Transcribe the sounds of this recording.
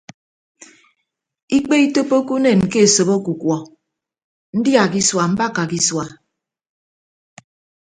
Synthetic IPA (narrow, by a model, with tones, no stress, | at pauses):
i˦k͡pe˦i˦to˦po˦ku˦ne˨n˨ke˦e˨so˨bo˦ku˨kwɔ˨ | n̩˦dja˨ki˦swa˨m̩˦ba˦˨ka˨ki˦swa˨